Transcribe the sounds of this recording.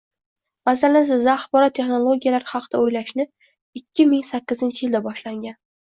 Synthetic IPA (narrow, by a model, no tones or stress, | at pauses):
masalans̬ɪzd̪aːχbɒɾɒt̪ʰːe̞χnolˠoɡʲijalaɾχɑqʰɨd̪̥aojlaʃnɪ | ɪkʲʰːɪmɪŋsakʲːɪzɪnt͡ʃʰɪjɪld̪abɒʃlaŋɡʲan